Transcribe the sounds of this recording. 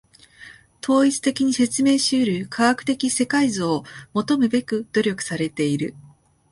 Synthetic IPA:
t̪ʰo̞ːit͡sɨ̥t̪e̞kʲiɲ̟ise̞t͡sɨme̞ːɕɨːɾʲɯ̟kʰaɡakɯ̥t̪e̞kʲise̞kaizɨomo̞t̪o̞mɯ̟be̞kɯ̟d̪̥o̞ɾʲo̞kɯ̟̥saɾe̞t̪e̞iɾɯ̟

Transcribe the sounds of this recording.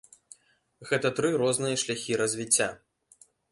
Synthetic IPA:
ɣɛt̪ɐt̪ɾɨɾɔznɨjɐʂlʲaxʲiɾɐzʲvʲit͡sʲːa

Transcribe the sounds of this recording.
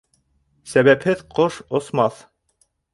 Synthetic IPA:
sæβæphɘðqoʃŏsmɑθ

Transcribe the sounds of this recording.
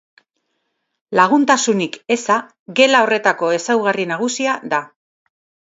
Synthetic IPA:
laɣ̞unt̪asunike̞sa | ɡe̞lao̞re̞t̪ako̞e̞sawɣarinaɣ̞usiaða

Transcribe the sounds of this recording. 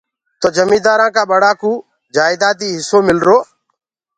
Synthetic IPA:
t̪oːd͡ʒəmĩːd̪aːɾãːkaːɓəɽaːkũː | d͡ʒaːɪd̪aːt̪iːɦɪsoːmɪlɾoː

